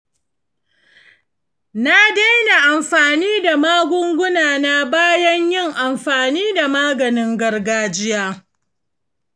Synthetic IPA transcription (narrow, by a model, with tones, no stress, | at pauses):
na˦da˦jna˨ʔa˨mɸaː˨niː˦da˨maː˦ɡʷʊ˦ŋɡʷʊ˦naː˨na˦baː˦jɐ˦ɲjɪ˦˨ŋʔa˨mɸaː˨niː˦da˨maː˦ɡɐ˨nɪ˦ŋɡɐ˦rɡaː˦d͡ʒɪ˦jaː˦